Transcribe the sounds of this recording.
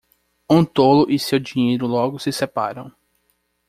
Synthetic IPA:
õt̪olʊʔisewd͡ʒĩɲejɾʊlɔɡʊsɪsepa̰ɾɐ̃w̃

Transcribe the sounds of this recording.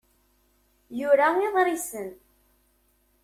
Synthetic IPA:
jʊɾaeðˤɾɪsən

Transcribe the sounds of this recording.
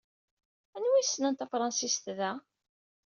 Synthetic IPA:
ænwisːnænt̪æfɾˤɑnsist̪ðæ

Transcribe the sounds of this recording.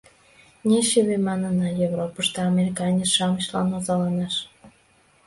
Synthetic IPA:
nʲeɕeβemɑnənɑjevropəʃt̪əɑmʲeɾʲikɑnʲet͡sʃɑməɕlɑ̰nozɑlɑnɑʃ

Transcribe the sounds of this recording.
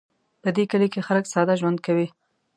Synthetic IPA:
pəd̪ekəlekexaləksɑd̪aʒwand̪̚kawi

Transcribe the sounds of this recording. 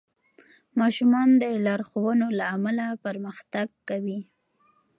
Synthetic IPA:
mɑʃumɑnd̪əlɑɾxowənolaːmalapəɾməxt̪aɡ̚kːawi

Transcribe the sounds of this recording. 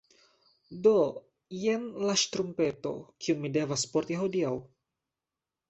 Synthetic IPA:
do | jɛnlaʃt̪ɾumpɛt̪o̰kʰiuŋmidɛvaspɔrt̪jaɦodial

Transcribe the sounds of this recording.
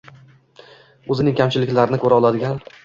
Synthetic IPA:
ɵzɪnɪŋkʲʰamt͡ʃʰɪlɪkʲlaɾɪnɪkʰɵɾaɒlˠad̪ɪɡʲan

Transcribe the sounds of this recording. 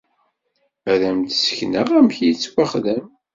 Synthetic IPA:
æɾæmt̪sə̥çnəʁæmçit͡sːwaχðæm

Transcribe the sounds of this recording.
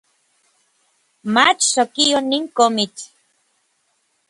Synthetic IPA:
mat͡ʃsokijoniŋkomit͡ʃ

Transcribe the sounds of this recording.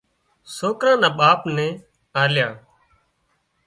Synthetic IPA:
soːkɾãːnãːɓaːpnɛ̃ː | aːljaː

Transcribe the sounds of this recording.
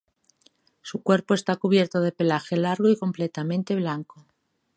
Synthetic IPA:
sukwe̞ɾpoe̞st̪akuβje̞ɾt̪o̞ð̞e̞pe̞laxe̞laɾɣ̞oiko̞mplet̪amẽnt̪e̞β̞laŋko

